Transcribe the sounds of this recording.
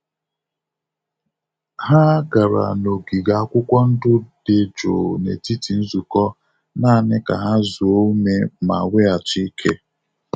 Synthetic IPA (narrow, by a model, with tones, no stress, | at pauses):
ha˦ɡa˨ɾa̰˨no˨ɡi˨ɡa˨a˦kʷʊ˦kʷɔ˦n̩˦dʊ˦d̥e˨d͡ʒo̰˨nḛ˨ti˦ti˨n̩˦zu˨kɔ˦ | naː˦˨nɪ˦ka̰˨ɦa˦zu˨o˦me˦ma̰˨wʷe˦a˨t͡ʃi˦kʰe˦